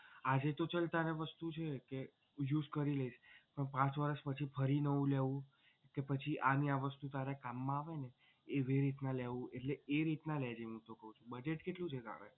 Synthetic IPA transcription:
ad͡ʒet̪ot͡ʃəlt̪aneʋəst̪ut͡ʃʰeke | jud͡ʒkəɾiləiʃpəɳpãt͡ʃʋəɾəʃpət͡ʃʰifʰəɾinəũleʋũ | kepət͡ʃʰiʔaniaʋəst̪ut̪aɾekamːãaʋene | eʋeɾit̪naleʋũeʈleːɾit̪naled͡ʒeɦũt̪okəɦũt͡ʃʰũbəd͡ʒeʈkeʈlũt͡ʃʰeka̰ʋḛ

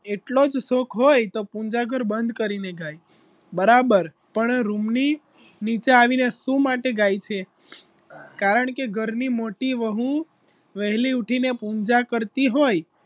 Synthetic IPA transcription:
eʈlod͡ʒsokɦojt̪opũɲd͡ʒaɡʱəɾbənd̪kəɾineɡaj | bəɾabəɾ | pəɳɾumni | nit͡ʃaaʋinesũmaʈeɡajt͡ʃʰe | kaɾəɳkeɡʱəɾnimoʈiʋəɦũ | ʋəɦliuʈʰinepũnd͡ʒakəɾt̪iɦoj

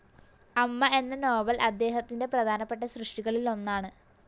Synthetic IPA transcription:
ɐmːɐe̞nːɐno̞ːbɐlʔɐd̪ːe̞ːɦɐt̪ːinde̞prɐd̪ʱaːnɐpːe̞ʈːɐɕrɨʂʈiɣɐɭilo̞nːaːɳɨ

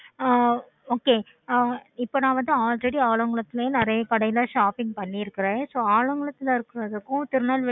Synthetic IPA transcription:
oːkeː | ɪpːonãːʋɐnd̪ɯaːlɾɛɽiaːɭɐŋɡɐɭɐt̪ːɯleːnɪɾɐjɐkɐɽɐjɪlaʂaːpɪŋɡ̚pɐɳːɪɪɾɯkːɪɾẽsoːaːɭɐŋɡɐɭɐt̪ːɪlɐɪɾɯkːɯɾɐðɯkːʊ̃t̪ɪɾɯnaːlʋɪ

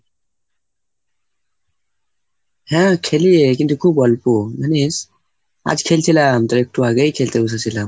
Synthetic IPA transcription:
hɛ̃kʰelijekint̪ʰukʰubʱɔlpumanis | a̰d͡ʒkʰelt̪ʰilamt̪ɐɾek̚ʈuaɡəjkʰelt̪eus̬asʰilam

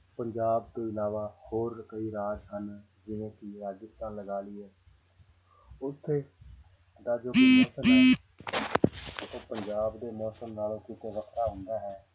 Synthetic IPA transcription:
pəɲd͡ʒaːb̚t̪õːɪlaːʋaːhoːɾkəiːɾaːd͡ʒɦən | d͡ʒɪʋẽːkiːɾaːd͡ʒɪst̪ãːnləɡaːliːɛː | ʊt̪ʰːeː | d̪aːd͡ʒoːmɔːsənɦɛː | oːpəɲd͡ʒaːbd̪eːmɔːsəmnaːlõːkĩːkoːʋəkʰt̪aːɦʊ̃nd̪aːɦɛː

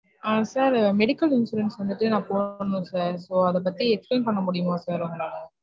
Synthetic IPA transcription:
aːsaːɾmɛɽɪkːɐlɪnsuːɾɛnsʋɐnd̪ɯʈːɯnãːpoːnːʊ̃saːɾsoːɐðɐp̬ɐt̪ːiɛkspleːnpɐɳːɐmʊɽɪjɯmaːsaːɾɔŋɡɐaːɐ

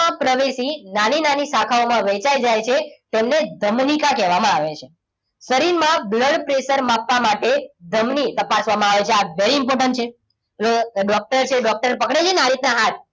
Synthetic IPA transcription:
ãpɾəʋesinaninanisakʰaomãʋet͡ʃajd͡ʒajt͡ʃʰet̪emned̪ʱəmnikakɛʋamãaʋet͡ʃʰe | səɾiɾmãbləɽpɾeʃəɾmapʋamaʈed̪ʱəmnit̪əpasʋamãaʋet͡ʃʰeaʋeɾiːmpɔɾʈəɳʈt͡ʃʰe | loɖɔk̚ʈəɾt͡ʃʰeɖɔk̚ʈəɾpəkɽet͡ʃʰenaɾit̪naɦat̪̚

